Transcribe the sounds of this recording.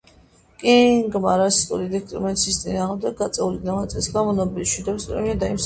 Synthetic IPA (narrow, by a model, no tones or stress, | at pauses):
kʼiŋɡmaɾasi̥t̪ʼṵlid̪ɛst̪ʼɾḭmɛnt̪sʰiːst̪sʼinaːʁmd̪ɛɡːat̪sʼɛulid̪amat̪sʼɛsɡamɔnɔbiliʃwid̪ɔbispʼɾɛ̰miad̪aims